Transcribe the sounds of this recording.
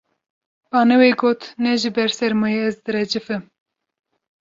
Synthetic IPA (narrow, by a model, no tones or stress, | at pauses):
b̥ɑːnɛweːɡoːt̪nɛʒɨbɛɾsɛɾmɨjeɛzd̪ɨɾɛd͡ʒɨfɨm